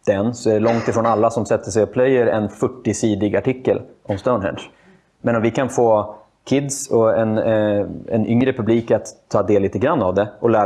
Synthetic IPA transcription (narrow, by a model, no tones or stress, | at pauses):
d̪̥ɛnsɔɛɛlɔŋt̪ɪfɾoːnalːasɔmsɛt̪ːəʂɛjɔpʰlɛjəɾɛ̰nfœʈːɪsiːd̪ɪɡaʈɪkːəlʔɔmst̪aʊnɦɛ̰nʂ | mɛnɔmvɪkʰanfoː | kʰɪd̪sɔɛn | ɛ̰nʔʏŋɾəpʰɵbliːkat̪ʰːɑːd̪eːlːiːt̪əɡɾanːavd̪ɛɔlæː